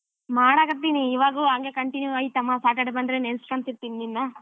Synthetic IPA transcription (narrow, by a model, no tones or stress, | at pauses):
maːɽaɡɐɾt̪ːiniːʋaːɡuaŋɡekɐɳʈinjuaːjit̪ɐmːasaːʈeɖbɐnd̪ɾenenskɐnt̪iɾt̪inininːa